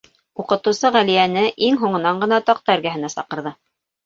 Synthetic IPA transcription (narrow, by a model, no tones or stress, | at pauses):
uqɤ̆t̪ɤ̆wsɤʁælijænɘʔiŋɦuɴɤ̆nɑɴɢɤ̆nɑt̪ɑq̚t̪ɑɘ̆ɾɡæɦɘ̆næsɑ̰qɤ̆ɾðɤ